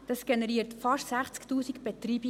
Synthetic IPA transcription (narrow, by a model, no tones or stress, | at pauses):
d̥ɑsɡ̥ɛnɛɾiːəɾtfɑʃsæχt͡sktuːsikb̥ɛt̪riːb